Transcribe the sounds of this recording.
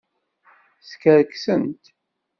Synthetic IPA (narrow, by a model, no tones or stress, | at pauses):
skəɾksənt̪